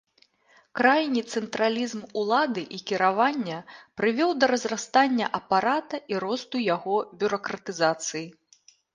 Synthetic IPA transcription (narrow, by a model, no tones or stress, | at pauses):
kɾajnʲit̪sɛnt̪ɾalʲizmulˠad̪ɨʔikʲiɾavanʲːɐpɾɨvʲɔwd̪ɐɾɐzrast̪anʲːɐʔɐpaɾat̪ɐʔiɾɔst̪ujaɣɔbʲuɾɐkɾɐt̪ɨzat̪sɨji